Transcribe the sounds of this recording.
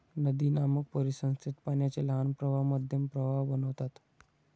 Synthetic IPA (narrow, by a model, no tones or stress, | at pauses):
nəd̪iːnamək̚pəɾisə̃ñst̪ʰɾit̪paɳjat͡ɕelɦanpɾəbʱamad̪ʱjəmpɾəbʱabənəʋt̪at̪